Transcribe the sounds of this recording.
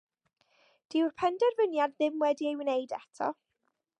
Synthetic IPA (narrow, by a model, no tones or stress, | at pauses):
d̥ɪwrpʰɛndɛrvənjadðɪmwɛdiejwnejdɛtʰɔ̰